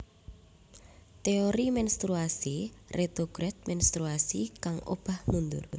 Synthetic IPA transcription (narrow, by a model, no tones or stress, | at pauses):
t̪eoɾimɛnst̪ɾuasirʔet̪oɡ̥ɾɛt̪̚mɛnst̪ɾuasikaŋo̰b̥a̤hnund̪ʊ̰r